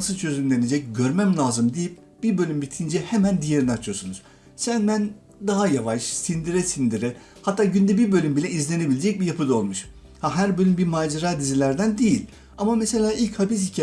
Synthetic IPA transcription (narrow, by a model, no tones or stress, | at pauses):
sɯt͡ʃʰø̞zynlʲe̞ned͡ʒɛc̚ɟø̞ɾmæmlʲˠaːzɯmd̪ijip̚ | b̥iɾbø̞lʲymbit̪ʰind͡ʒɛhemænd̪ijeɾinɛat͡ʃʰɯjo̞sunuz̥ | sænbæn | d̪aɦajavaʃsind̪iɾɛsind̪iɾɛ | hat̪ʰːaːɟynd̪ɛbibø̞lʲymbilʲɛizlʲe̞nebilʲed͡ʒɛc̚bijapʰɯd̪aolˠmuʃ | haɦæɾbø̞lʲymbimaːd͡ʒaɾaːd̪izilʲæɾd̪ænd̪ejilʲ | amamese̞lʲaːilʲchapis̬hicʰ